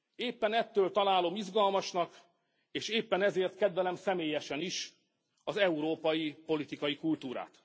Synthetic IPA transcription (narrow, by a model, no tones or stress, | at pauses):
eːpːɛnɛt̪ːøːlt̪ɒlaːlo̞miʒɡɒlmɒʃnɒk | eːʃeːpːɛnɛzeːrt̪kɛd̪ʋɛlɛmsɛmeːjɛʃɛniʃ | ɒzɛuɾoːpɒjipo̞lit̪ikɒjikult̪uːɾa̰ːt̪